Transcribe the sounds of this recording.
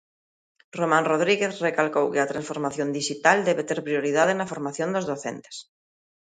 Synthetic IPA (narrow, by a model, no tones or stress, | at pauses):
romãnroð̞ɾiɣeθrekalkowkɪɐt̪ɾãnsfoɾmaθjõnd̪iʃit̪ald̪ɛβet̪eɾpɾioɾiðaðɪnɐfoɾmaθjõnd̪ozðoθḛnt̪e̥s